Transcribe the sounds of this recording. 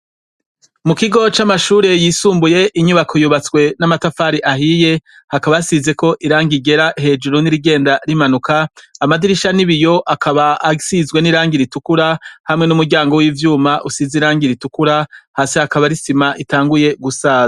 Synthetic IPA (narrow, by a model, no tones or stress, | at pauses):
mukiɡo̞t͡ʃamaʃuːɾe̞jiːsuːmbuje̞ʔiɲuβakʰo̞juβat͡swe̞namatafaːɾiʔaɦije̞ | hakaβajasize̞ko̞ʔiɾaːŋɡiɡe̞ɾaʔiɦe̞ːd͡ʒuɾoniɾiɡe̞ːndaɾimanukʰaːmadiɾiʃaniβijo̞ʔakʰaβaːsizwe̞niɾaːŋɡiɾitukuɾahamŋe̞numuɾɟaːŋɡo̞wiːvjuːmaʔusiziɾaːŋɡiɾitukuɾahaːsihakaβaɾisimaʔitaːŋɡuje̞ɡusaːza